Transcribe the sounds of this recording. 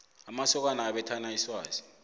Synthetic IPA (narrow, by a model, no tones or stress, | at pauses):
amasɔk̬anaːɓɛtʰanaiswaːzi̥